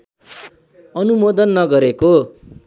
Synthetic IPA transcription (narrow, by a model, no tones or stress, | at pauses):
ʌnumod̪ʌnːʌɡʌɾeko